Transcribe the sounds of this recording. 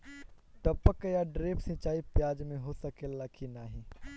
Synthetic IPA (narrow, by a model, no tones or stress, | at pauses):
ʈəpəkjaɖɾeːpsɪ̃t͡ʃaːipjaːd͡ʒmẽɦoːsəkelakʰinaːɦĩː